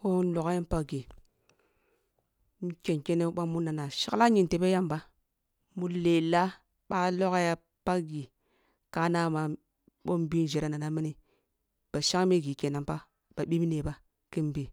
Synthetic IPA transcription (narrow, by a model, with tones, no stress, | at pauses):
o˦n˦lo˨ka˦i˦npa˦ɡi˨ | mu˦ke˨nke˦ne˦ɓa˦mu˦na˨na˨ʃi˦la˦ɲi˨nte˨be˦ja˦mba˦ | mu˦le˨la˦ | ɓa˦lo˦ka˦ja˦ | pa˦ɡi˨ | ka˨˦na˦ma˨ | ɓo˦mbi˦n˨d͡ʒe˨ɾa˨˦na˨na˨mi˦ni˨ | b̥a˨ʃa˦ŋ˦me˦ɡi˨ke˨na˨mpa˦ | b̥a˨ɓi˦mi˦ne˨ba˦ | ki˦m˦bi˨